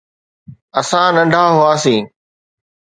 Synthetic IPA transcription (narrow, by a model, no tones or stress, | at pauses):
əsãːnə̃ɳɖʱaːɦʊaːsĩː